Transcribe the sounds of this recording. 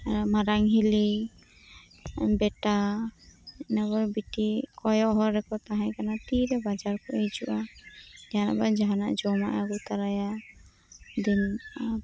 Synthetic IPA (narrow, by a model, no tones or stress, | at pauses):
maɾaŋɦili | bɛʈa | nabɔɾbiʈikɔjɔʔɦɔɾɾɛkɔt̪aɦɛ̃kanat̪iɾɛbad͡ʒaɾkɔejd͡ʒuʔad͡ʒana̰ʔbad͡ʒaɦanaʔd͡ʒɔma̰ʔaɡɔt̪aɾaja | d̪ina